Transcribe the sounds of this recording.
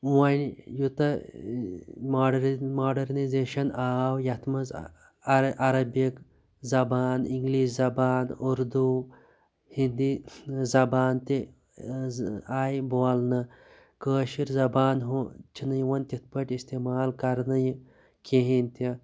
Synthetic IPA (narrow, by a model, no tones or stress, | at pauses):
wɐnʲjut̪ɐ | maɖmoːɖɐɾnizeːʃɐnaːwjɐt̪ʰmɐz | ʔɐɾɐbik | zɐbaːniŋɡliːʃzɐbaːnuɾd̪u | hind̪izɐbaːnt̪e | aːjboːlnɨ | kəːʃiɾzɐbaːnɦut͡ʃʰinɐjwɐnʲt̪ʲit̪̚ʰpəʈʲist̪eːmaːlkɐɾnɐj | keɦĩnʲt̪ɐ